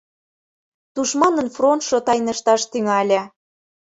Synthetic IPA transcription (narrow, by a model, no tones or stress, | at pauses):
t̪uʃmɑnə̆nfront̪ʃot̪ɑjnə̆ʃt̪ɑʃt̪yŋælʲæ